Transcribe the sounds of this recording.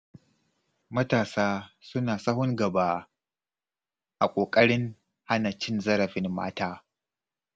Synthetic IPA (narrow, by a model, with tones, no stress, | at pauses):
mɐ˦taː˨saː˦sʊ˦naː˨sɐ˦ɦʊ˦ŋɡɐ˨baː˦ | ʔa˨kʷʼoː˨kʼɐ˦ɽɪ˦ŋ | ha˦nɐ˨t͡ʃɪ˦nzɐ˦ɾɐ˨ɸɪ˦nma̰ː˦taː˦